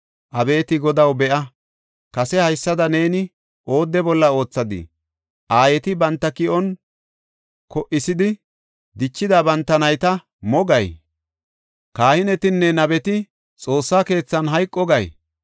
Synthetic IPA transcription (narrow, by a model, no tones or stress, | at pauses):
ʔɐbe̞ːt̪ɪɡɔd̪ɐwbɛʔɐ | kɐsɛhɐjsːɐd̪ɐne̞ːnɪ | ʔo̞ːd̪ːɛbɔlːɐo̞ːt͡sːɐd̪ɪ̰ | ʔaːjɛt̪ɪbɐnt̪ːɐkɪʔɔn | kɔʔɪsɪd̪ɪ | d̪ɪt͡ʃːɪd̪abɐnt̪ːɐnɐjt̪ɐ | mɔɡɐj | kaːhɪnɛt̪ɪnːɛnɐbɛt̪ɪ | t͡sʼo̞ːsːaːke̞ːt͡sːɐnɦɐjkʼːɔɡɐj